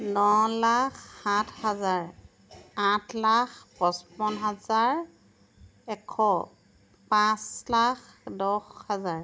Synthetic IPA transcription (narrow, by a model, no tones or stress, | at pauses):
nɔlakːatʰhazaɹ | atʰlaxpɔspɔnɦazaɹ | ɛkʰːɔ | pãslak | dɔxhazaɹ